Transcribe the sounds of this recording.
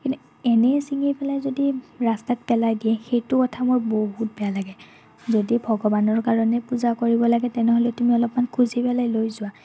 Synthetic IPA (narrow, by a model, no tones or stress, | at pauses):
kinu | ɛnɛsiŋepɛlajzodiɹastat̚pɛlajdiɛxejtʊkɔtʰamɔboɦut̚bɛjalaɡɛ | zodibʱɔɡɔbanɔɹkaɹɔnɛpuzakoɹibɔlaɡɛtɛnɛɦolɛtumiɔlɔpmankʰuzipɛlajlojzʊwa